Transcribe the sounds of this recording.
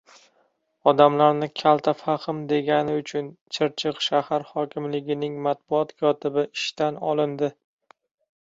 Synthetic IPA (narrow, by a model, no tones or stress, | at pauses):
ɒd̪amlaɾnɪkʲʰalˠt̪ʰafaχɪmd̪e̞ɡʲanɪʊt͡ʃʰʊnt͡ʃʰɪɾt͡ʃʰɪqʃahaɾhɒkʲʰɪmlɪɡʲɪnɪŋmat̪̚bʊɒt̪kʰɒt̪ʰɪbɪɪʃt̪anɒ̰lˠɪnd̪ɪ